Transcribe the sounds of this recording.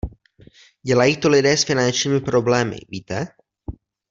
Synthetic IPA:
ɟɛlajiːt̪olɪdɛːsfɪnant͡ʃɲiːmɪpɾo̞blɛːmɪ̰viːt̪ɛ

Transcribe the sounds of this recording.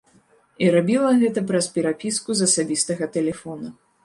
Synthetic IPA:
iɾabʲilˠɐɣɛt̪ɐpɾɐspʲɛɾapʲiskuzɐsabʲist̪ɐɣɐt̪ɛlʲɛfɔnu

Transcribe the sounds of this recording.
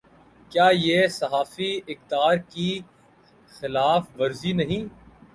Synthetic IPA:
kjaːjeːsɐɦaːfiɪxt̪aːɾki | xɪlaːfʋɐɾzinɐɦĩː

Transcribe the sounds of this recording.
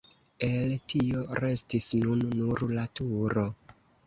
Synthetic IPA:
e̞ltʰio̞ɾe̞stisnunːuɾlatuɾo̞

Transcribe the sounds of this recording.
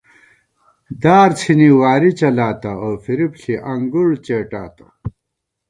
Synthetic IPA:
d̪aːɾt͡sʰiniwaːɾit͡ɕɐlaːt̪ɐoːfiɾipɬiʔɐŋɡuɽt͡ɕeːʈaːt̪ɐ̥

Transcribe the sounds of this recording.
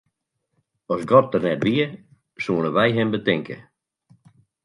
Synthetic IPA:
ɔsɡɔt̚dərnɛtʋiə | suənəʋɛjɦɪmbətɪŋkə̰

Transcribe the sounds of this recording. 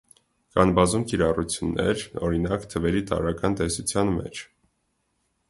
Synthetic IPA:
kɑnbɑzumkiɾɑrut͡sʰjunːɛ̰ɾɔɾinɑkt̪ʰəvɛɾit̪ɑ̰ɾɑkɑnt̪ɛsut͡sʰjɑnmɛ̰t͡ʃʰ

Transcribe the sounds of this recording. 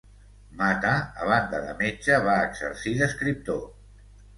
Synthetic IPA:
mat̪aəβ̞and̪əðə̰med͡ʒəβaəɡzə̰ɾsiðəskɾip̚t̪o

